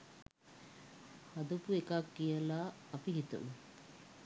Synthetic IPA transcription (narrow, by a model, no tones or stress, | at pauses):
hɐd̪upuekaːkːijɐlaːɐpiɦit̪ṵm